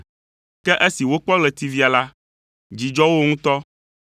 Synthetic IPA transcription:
kɛ˦ʔe˦si˨wo˦k͡pɔ˦ɡlɛ˨t̪i˦vi˦a˨la˦ | d͡ʒi˨d͡ʒɔ˦wo˦ŋũ˦t̪ɔ˦

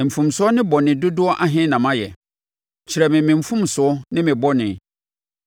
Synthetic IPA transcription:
m̩˨fũ˨msʊ˦ɔ˦nɪ̃˦bɔ˨nɪ̃˨dʊ˦dʊ˦ɔ˦ʔa˦ɦɪ̃˦nã˨mã˦jɛ̰˨ | t͡ɕʰi˨ɾɛ˨mɪ̃˨mɪ̃˨m̩˨fũ˦msʊ˨ɔ˦nɪ̃˦mɪ̃˨bɔ˦nɪ̃˨

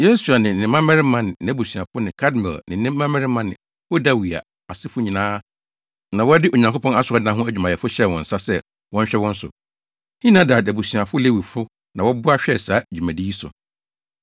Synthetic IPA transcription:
je˦su˨a˨nɪ̃˨nɪ̃˨mã˦mɛ˦ɾɪ˦mã˦nɪ̃˨n˨˦bu˨sɥa˨fʊ˦nɪ̃˨kʰa˦dmɛ̰˨lnɪ̃˨nɪ̃˦mː˦ã˦mɛ˦ɾɪ˦mã˦nɪ̰̃˨ | wʊ˦da˦wi˨a̰˨ | a˨sɪ˦fʊ˦ɲĩ˨nãː˦ | nã˨wɔ˦dɪ˦ʔo˨ɲã˨ŋkʰo˦pʰɔ̃˦na˦sʊ˨ɾɔ˦dnã˦ɦʊ̃˦æ˦d͡ʑᶣu˨mã˨jɛ˨fʊ˦ɕɛ˦˨wɔ̰̃˨n̩˨sa˦sɛ˦ | wɔ̃˦ɲ˦ɕᶣɛ˦wɔ̃˦n̩˦sʊ̰˨ | hĩ˦nã˨˦da˨dæ˨bu˨si˨ã˨fʊ˦le˦wi˨fʊ˦ | nã˨wɔ˦bʊ˦a˦ɕᶣɛ˦˨saː˨˦˨d͡ʑᶣu˨mæ̃˨di˦i˦sʊ̰˨

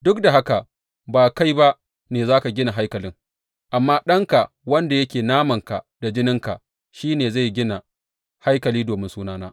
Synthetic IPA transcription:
dʊ˦k̚da˨ɦa˦ka˨ʔ | baː˨ka˦jba˦ʔ | neː˨zaː˦ka˨ɡʲɪ˦na˨ɦa˦jkɐ˨lɪ˦ŋ | ʔa˨mːaː˦ɗɐ˦ŋka˨ʔ | wɐ˦nda˨jɐ˦kʲeː˨naː˦mɐ˨ŋka˨ | d̥a˨d͡ʒɪ˦nɪ˦ŋka˨ʔ | ʃiː˦neː˨za˦˨jɡʲɪ˦na˨ | ha˦jkɐ˨liː˦doː˨mɪ˦nsuː˦naː˦na̰ː˦

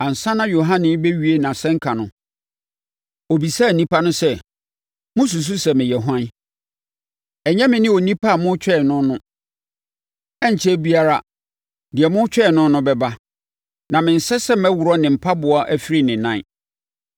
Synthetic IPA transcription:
ã˨n̩˨sã˦nã˦jo˨ɦã˦nɪ̃˦bɛ˦ɥi˦e˦nã˨sɛ̃˦ŋ˦kʰa˨nʊ̃˦ | o˨bi˨sa˦˨nĩ˦pʰa˦nʊ̃˦sɛ˦ | mʊ̃˦s̬u˨s̬u˦sɛ˨mɪ̃˨jɛ˨ɦã˦n˦ | ɛ˨ɲɛ̃˦mɪ̃˨nɪ̃˦o˨nĩ˦pʰa˦a˨mʊ̃˦t͡ɕʰᶣɛ˦˨nʊ̃˦nʊ̃˦ | ɛ˦ɲ˨t͡ɕʰɛ˦bi˦a˦ɾa˨ | dɪ˨ɛ˨mʊ̃˦t͡ɕᶣɛ˦˨nʊ̃˦nʊ̃˦bɛ˨ba˦ | nã˨mɪ̃˨n̩˨sɛ˦sɛ˦m˦ɛ̃˦wʊ˨ɾɔ˦nɪ̃˨m̩˨pʰa˦bʊ˨ɔ˦ʔæ˦fi˦ɾi˦nɪ̃˨nã˦˨˦

